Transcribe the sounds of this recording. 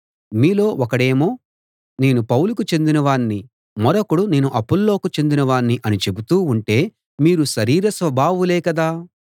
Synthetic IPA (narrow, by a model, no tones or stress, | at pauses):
miːlo̞ːɔkɐɽe̞ːmo̞ː | ne̞ːnupɐwulukut͡ʃe̞nd̪inɐʋaːɳːi | mɔɾɐkːuɽune̞ːnuʔɐpːulːo̞ːkut͡ʃe̞nd̪inɐʋaːɳːiʔɐnit͡ʃe̞but̪uːuɳʈe̞ː | miːɾuʃɐɾiːɾɐsʋɐbʱaːʋulɛːkɐd̪aː